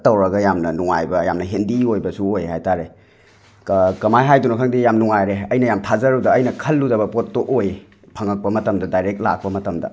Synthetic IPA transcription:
tɐwɾɐɡɐjamnɐnuŋa̰jbɐjamnɐɦendiojbɐsuojɦajtaɾe | kkɐmajɦajdunɐkʰɐŋdijamnuŋajɾeɐjnɐjamtʰazɐɾɐwdɐːjnɐkʰɐlːudɐbɐpot̚ːoʔoj | pʰɐŋɐk̚pɐmɐtɐmdɐdajɾekt̚la̰k̚pɐmɐtɐmdɐ̰

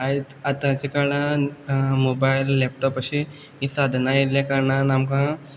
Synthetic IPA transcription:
ait̪at̪ãt͡ɕikəɾɳã | mobajlːep̚ʈɔpaɕi | ĩsad̪ʱnailjãkəɾɳanamkã

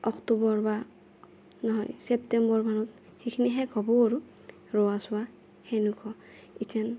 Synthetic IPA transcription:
ɔktubɔɹba | nɔɦɔ̰jsɛptɛmbɔɹbanɔt | xejkʰiniɦɛɡʱɔbɔaɹu | ɹɔwasʊwa | hɛnukʰɔ | itʰan

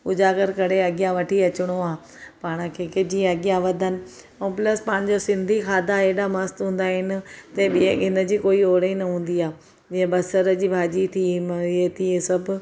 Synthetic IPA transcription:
ʊd͡ʑaːɡəɾkɐɽeɐɠɪjãʋɐʈʰiɐt͡ɕɪɽ̃oaː | paːɽ̃ə̆kʰeːkɪd͡ʑĩɐɠijãʋɐd̪ʱənɪ̆ | ɛ̃ːplɐspãːɪɲ̆d͡ʑosɪ̃nd̪ʱikʰaːd̪ʱaeːɗamɐst̪ɦũːn̆d̪aːɦɪnɪ̆t̪ɐɓɪẽɪnə̆d͡ʑiːkoːioːɽeinɐɦũːn̆d̪iaː | d͡ʑɪ̃ẽɓɐsəɾəd͡ʑiːbʱaːd͡ʑit̪ʰiet̪ʰiẽsɐbʊ

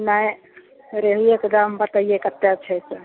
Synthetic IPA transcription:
naj | ɾeɦujekd̪ambət̪ajekət̪ːat͡ʃʰɛsə

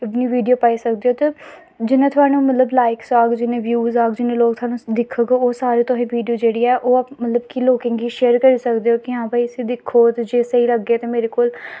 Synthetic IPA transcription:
ɪpniːʋiːɖioːpaːiːsəkd̪eːoːt̪eː | d͡ʒɪnẽːt̪ʰʊaːnũːmət̪ləblaːɪksaːɡd͡ʒɪnẽːʋjuːzaːɡd͡ʒɪnẽːloːɡt̪ʰʊaːnũːd̪ɪkʰːoɡooːsaːɾeːt̪oːĩːʋiːɖijoːd͡ʒeːɽiːɛːʔoːmət̪ləbkiːloːkẽːŋɡiːʃeːəɾkəɾiːsəkd̪eːoːkɪãːbaːiəsiːd̪ɪkʰːoːt̪ed͡ʒeːsəiːləɡːeːt̪eːmeːɾekoːl

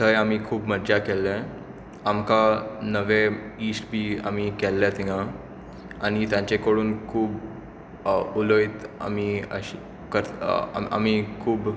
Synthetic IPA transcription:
t̪əjamikʰuːbməɾd͡ʑakɛlːɛ̃ | amkanəʋeiːsʈbʱiːa̰mikɛlːɛt̪iɦã | añit̪jãɲt͡ɕekəɽuːnkʰuːb | uloit̪a̰miə̰ɕi | kəɾ̰a̰mikʰuːb

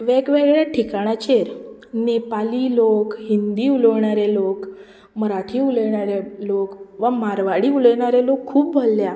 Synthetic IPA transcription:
ʋeɡʋeɡɭjaʈʰikaɽ̃at͡ɕeɾnepaliːlokhind̪iːuləʋɳaɾelok | məɾaʈʰiːuləɳaɾelokʋəmaɾʋaɽiːuləɳ̃aɾelokʰːuːpbʱəlːja

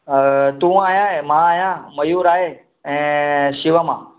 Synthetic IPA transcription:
t̪ũːaːjãemãajãːməjuːɾaːɦe | ẽʃiʋamã̰

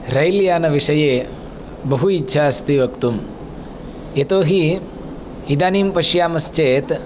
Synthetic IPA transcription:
ɾɐjljaːnɐʋiʂɐjeː | bɐɦuitːʃʰaːst̪iʋɐkt̪um | et̪oːɦi | id̪aːniːmpɐʃjaːmɐst͡ʃeːt̪

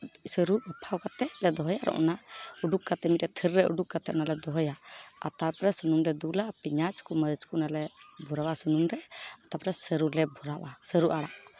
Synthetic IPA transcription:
səɾubəpʰawkat̪ɛʔlɛd̪ɔɦɔjaɾʔɔ̰ʔɔnauɖukkat̪ɛmit̪̚ʔɛt̪ʰəɾːɛʔṵɖukkat̪ɛʔnalɛd̪ɔɦɔjaa̰t̪aɾpɾɛsunumɾɛd̪ulapiɲat͡ʃkuməd̪ət͡ʃkunalɛbʱuɾawasunumɾɛat̪apɾɛsəɾulɛbʱuɾaʔasəɾuʔaɽaʔ

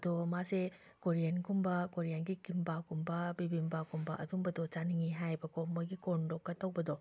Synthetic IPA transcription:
ɐdɔmase | koɾijankumbɐkoɾijanɡikimbakumbɐbibimbakumbɐ̰ʔɐdumbɐdɔt͡ʃaniŋiɦajbɐkʰomojɡikondɔkːɐtɐwbɐdɔ

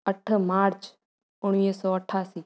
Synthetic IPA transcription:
əʈʰmaːɾt͡ʃ | ʊɽ̃ʋisɔːəʈʰːaːsiː

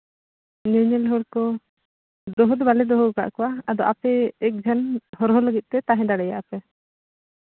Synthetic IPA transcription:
nɛɲɛlɦɔɽkɔ | d̪ɔɦɔd̪balɛd̪ɔɦɔka̰ʔkɔwaad̪ɔʔapɛːk̚d͡ʒʱanhɔɾɦɔləɡit̪̚ˀt̪ɛt̪aɦɛ̃d̪aɽɛja̰ʔapɛ

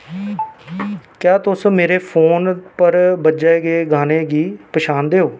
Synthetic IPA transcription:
kjaːt̪ʊsmeːɾeːpʰoːnpəɾbəd͡ʒaːɡeːɡaːneːɡiːpəʃaːnd̪eːoː

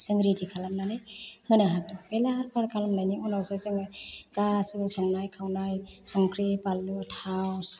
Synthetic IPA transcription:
sɯŋɡɾitikʰalamnanɯjhɯnaɦak̚dɯpelaɾpaɾkʰalamnajniɔnawsasɯŋɡasɯɯsɔŋnajkʰawnajsɔŋkʰɾepalːɯtʰaws

